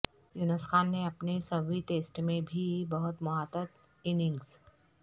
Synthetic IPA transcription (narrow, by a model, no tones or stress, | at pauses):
jʊnəskʰaːnːẽɐpnesɐbiʈeːsʈmẽbʱibɐɦʊt̪mɐɦaːt̪ət̪ | ɪnɪ̃ŋɡs